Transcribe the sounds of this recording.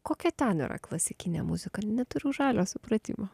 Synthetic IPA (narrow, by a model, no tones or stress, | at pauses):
koːkʲɛt̪ʲɛnḭɾɐ̰klˠɐsʲɪkʲinʲɛ̰mʊzʲɪkɐnʲɛt̪ʊɾʲʊʒɑːlʲoːsʊpɾɐt̪ʲḭːmɐ